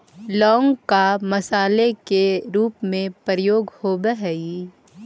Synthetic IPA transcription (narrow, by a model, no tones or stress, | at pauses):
lɔːŋɡkamɐsaːlekeɾuːpmẽpəɾəjoːɡhoːbəɦɛi